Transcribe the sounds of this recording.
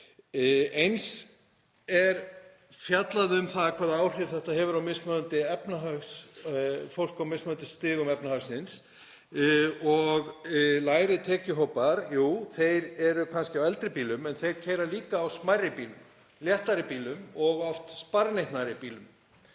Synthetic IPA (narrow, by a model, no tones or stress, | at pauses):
ejns | ɛɾ | fjat̪laðʏmθaðkʰvaːðaaːwr̥ɪɾθɛht̪ahɛvʏɾawmɪsmœðʏnt̪ɪɛpnaɦaɣs | fowl̥kawmɪsmœðnt̪ɪst̪ɪːɣʏmɛpnahaɣsɪns | ɔɣlaːjɾɪt̪ʰɛːcʏɦowpaɾjuːθejɾɛɾʏkʰanscɪawɛlt̪ɾɪpiːlʏmɛnθejɾ̥cʰɛjɾaliːkaːwsmajrːɪpiːlʏm | ljɛht̪aɾɪpiːlʏmɔɣɔft̪spaɾnejht̪naɾɪpiːlʏm